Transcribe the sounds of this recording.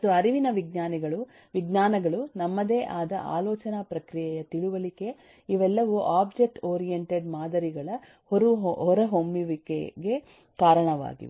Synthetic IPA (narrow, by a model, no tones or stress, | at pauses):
uɐɾiʋinɐʋiɡnaːniɡɐɭu | ʋiɡnaːnɐɡɐɭunɐmːɐd̪eːʔaːd̪ɐ̰ʔa̰ːlɔːt͡ʃɐnapɾɐkɾijɛjɐt̪iɭuʋɐlike̞ | iʋɛlːɐʋuʔaːbd͡ʒek̚ʈoːɾijeɳʈeɖmaːd̪ɐɾiɡɐɭɐ | hoɾuɦɦɔɾɐɦombiʋikeɡe̞ | kaːɾɐɳɐʋa̰ːɡḭ